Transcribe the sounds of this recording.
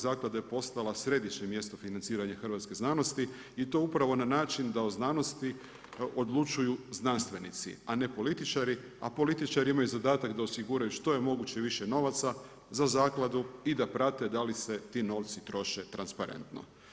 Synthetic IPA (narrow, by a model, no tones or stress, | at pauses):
zaːklˠad̪ajepo̞st̪alasɾe̞d̪jit͡ɕemje̞st̪o̞finant̪siːɾaɲaxr̩ʋat̪ske̞znano̞st̪i | it̪o̞upɾaʋo̞nanaːt͡ʃind̪aoznano̞st̪i | od̪lˠut͡ʃujuznanst̪ʋe̞nit̪sḭane̞po̞lit̪it͡ʃaɾi | a̰po̞lit̪it͡ʃaɾiimajuzad̪aːt̪akd̪aosiɡuɾajuʃt̪o̞je̞mo̞ɡut͡ɕeʋiʃeno̞ʋat̪sa | zazaːklˠad̪uid̪apɾat̪e̞d̪alise̞t̪iːno̞ʋt̪sit̪ɾo̞ʃet̪ɾanspaɾe̞̰nt̪no̞̰